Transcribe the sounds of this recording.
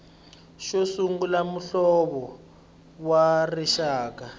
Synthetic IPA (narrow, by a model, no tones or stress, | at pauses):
ʃosuŋɡulamuɬɔβɔ | wariʃaːk̬a